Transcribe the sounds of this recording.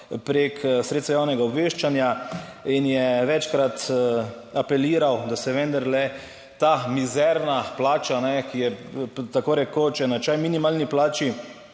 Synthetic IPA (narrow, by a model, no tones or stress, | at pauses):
pɾeksɾet̪sajaːwnɛɡaɔbʋeʃt͡ʃanjainjɛʋɛt͡ʃkɾat̪ | apɛliːɾawd̪asɛʋɛ̃nd̪aɾlɛ | t̪amizɛɾnaplaːt͡ʃanɛkijɛt̪akoːɾɛkot͡ʃɛnat͡ʃajminimaːlniplaːt͡ʃi